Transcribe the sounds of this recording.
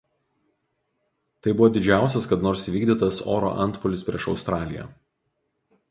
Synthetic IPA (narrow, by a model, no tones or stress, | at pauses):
t̪ɐɪbʊʋoːd̪ʲɪd͡ʒʲæˑʊsʲɛskɐt̪noːɾsʋʲiːɡʲd̪ʲɪt̪ɐso̰ːɾo̰ːʔɐ̰nˑt̪pɔlʲɪsʲpʲɾʲḭɛʃɒʊst̪ɾɑːlʲɪjɛ̰